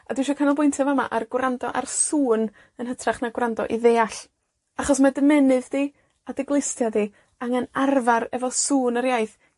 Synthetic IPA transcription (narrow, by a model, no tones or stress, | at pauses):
adɪwʃɔkʰanɔlˠbʊjntʰɛvama̰ʔarɡwrandɔʔarsuːn | ənhətʰraχnaɡwrandɔ̰ʔiðeːaɬ | aχɔsmadəmɛnɨðd̥i | adɪɡlˠɪstjadi | aŋənarvarɛvɔsuːnəɾjajθ